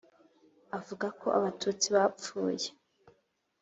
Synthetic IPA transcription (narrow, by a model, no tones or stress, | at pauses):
avuɡakʰo̞̰ʔa̰βatʰuːt͡siβap͡fuːje